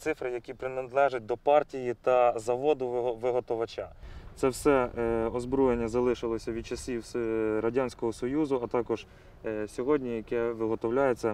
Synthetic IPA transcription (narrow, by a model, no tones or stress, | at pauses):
t̪sɪfɾɪjɐkʲipɾɪnɐd̪lˠɛʒɐt̚ʲd̪ɔpɑrtʲijit̪ɐzɐʋɔd̪ʊʋɪɦɔt̪ɔʋɐt͡ʃɑ̰t̪sɛwsɛɔzbɾɔjenʲːɐzɐlˠɪʃɪlˠɔsʲɐʋʲid̪̚t͡ʃɐsʲiwɾɐdʲanʲsʲkɔɦɔsɔjuzʊɐt̪ɑkɔʒ̥ | sʲɔɦɔdʲnʲijɐkɛʋɪɦɔt̪ɔwlʲajet͡sʲːɐ